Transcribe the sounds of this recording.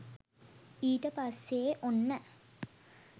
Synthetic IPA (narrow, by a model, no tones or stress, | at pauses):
iːʈɐpaseːʔonːɐ